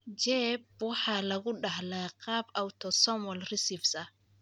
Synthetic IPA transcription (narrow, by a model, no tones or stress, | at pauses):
t͡ʃɛːb̚wɑħɑːlɐɣʊɖɑɦlɛːqɑːbʔɐwt̪ʰɔsɔmɔlrɪsɪfsɐ